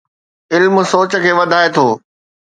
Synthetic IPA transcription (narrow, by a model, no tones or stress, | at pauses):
ɪlm̆soːt͡ɕə̆kʰeːʋɐd̪ʱaːet̪ʰoː